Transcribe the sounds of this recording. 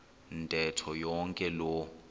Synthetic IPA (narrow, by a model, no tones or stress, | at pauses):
ntʼɛtʰɔjɔŋkʼɛlɔ